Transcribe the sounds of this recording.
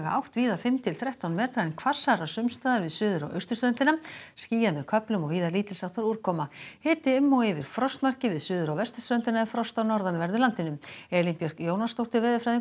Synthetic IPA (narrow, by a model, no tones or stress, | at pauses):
ɣaa̰wht̪viːðafɪmt̪ʰɪlθɾɛht̪awnmɛːt̪ɾaɛnkʰvḁsaɾasʏmst̪aːðaɾvɪðsʏːðʏɾa̰wʔœ̰ɥst̪ʏ̥st̪ɾœnt̪ɪnasciːjamɛðkʰœplʏmɔɣviːðaliːt̪lɪsawht̪ʰaɾuɾ̥kʰɔːmahɪːt̪ɪʏmːɔwɪvɪɾ̥fɾɔst̪mar̥cɪvɪðsʏːðʏɾawvɛst̪ʏ̥st̪ɾœnt̪ɪnaɛfɾɔst̪awnɔɾðanvɛɾðʏlant̪ɪnʏmɛːlimpjœr̥kjoːwnast̪owht̪ɪɾvɛːðʏfɾajðɪ